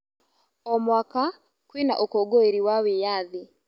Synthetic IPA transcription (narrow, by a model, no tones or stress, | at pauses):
ɔmwaka | kwina̰ʔokɔɡoeɾiwawejaði